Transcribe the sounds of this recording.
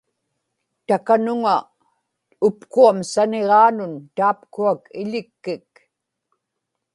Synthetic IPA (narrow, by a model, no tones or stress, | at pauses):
t̪akanʊŋa | ʊpkuamsaneʁɑːnʊnt̪aːp̚kuakɪ̰ʎɪkːɪk